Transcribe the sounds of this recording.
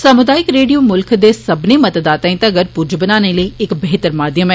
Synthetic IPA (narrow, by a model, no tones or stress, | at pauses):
səmʊd̪aːɪkɾeːɖioːmʊlkʰd̪eːsəbneːmət̪d̪aːt̪ãːĩt̪ãəɡəɾpud͡ʒbənaːneːləiːɪkbeːɦt̪əɾmaːd̪jəmɛː